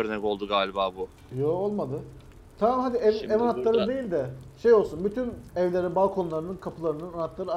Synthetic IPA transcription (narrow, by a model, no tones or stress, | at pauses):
øɾnɛko̞lˠd̪uɡaːlʲibaːbu | joːolˠmad̪ɯ | t̪ʰamamhad̪iɛɛvanat̪lˠaɾɯd̪ejilʲd̪ɛʃe̞jo̞lˠsunbyt̪ʰynɛvlʲeɾinbalˠkʰo̞nlˠaɾɯnɯnkʰapʰɯlˠaɾɯnɯnanat̪lˠaɾɯa